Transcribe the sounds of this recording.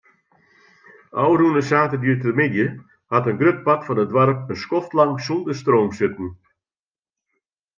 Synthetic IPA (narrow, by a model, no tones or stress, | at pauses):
ʔɔwrunəsaːtədyːtədəmɪdjə | hatənɡrøt̚pakfɔnədʋwaɾp̚ənskɔftlɑŋsulˠdəstroːmsɪtən̩